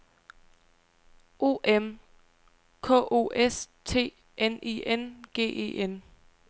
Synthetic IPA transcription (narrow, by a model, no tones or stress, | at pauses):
ʔo̝̰ːʔem | kʰɔ̰̽ːʔo̝̰ʔest͡sʰe̝̰ː | eniːenɡ̥e̝̰ːʔe̝̰ːʔen